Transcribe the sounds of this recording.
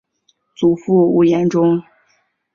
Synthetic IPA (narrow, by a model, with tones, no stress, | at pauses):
t͡su˨˩fu˥˩u˧˥jɛ˧˥nʈ͡ʂʊ˥ŋ